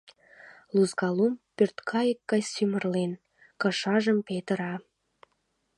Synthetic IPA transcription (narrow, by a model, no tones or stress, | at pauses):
luzɡɑlumpørt̪kʰɑjəkːɑjsymə̆rlen | kɑʃɑʒəmpet̪ə̆ɾɑ